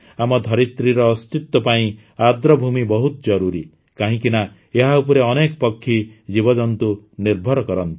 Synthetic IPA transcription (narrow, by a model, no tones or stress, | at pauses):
amɔd̪ʱɔɾit̪ɾiɾɔːst̪it̪ːɔpaĩ | ad̪ɾɔbʱumibɔɦut̪ɔd͡ʒɔɾuɾi | kaɦĩkina | eɦaup̬ɔɾeɔnekɔpɔkʰːid͡ʒibɔd͡ʒɔnt̪uniɾbʱɔɾɔkɔɾɔnt̪i̥